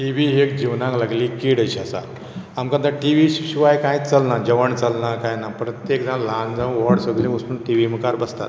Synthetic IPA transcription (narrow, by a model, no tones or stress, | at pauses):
ʈiʋiɦekd͡ʑiʋnãŋklaɡliːkiɽəɕasa̰ | amkãt̪aʈiʋiɕɕuʋajkãjt͡səlnad͡ʑəʋəɳt͡səlnakajnapɾət̪jekd͡zãlãnd͡zãʋɔɽsəɡlĩusnuːnʈiʋimukaɾbəst̪a̰t̪